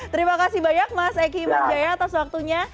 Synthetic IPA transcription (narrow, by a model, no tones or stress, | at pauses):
t̪əɾimakasibaɲak̚masak̬imad͡ʒajaːt̪aswak̚t̪uɲa